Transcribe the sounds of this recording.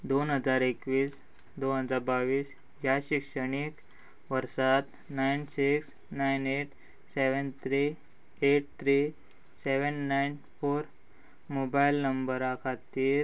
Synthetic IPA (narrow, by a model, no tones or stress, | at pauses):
d̪onɦəd͡zaɾekʋiːs | d̪onɦəd͡zaɾbaʋiːs | jjaɕikʂəɽ̃ik | ʋəɾsat̪ | najnsiks | najneʈ | seʋənt̪ʰɾi | eʈ̚t̪ʰɾiː | seʋənːajn | foɾ | mobajlnəmbəɾakʰat̪iːɾ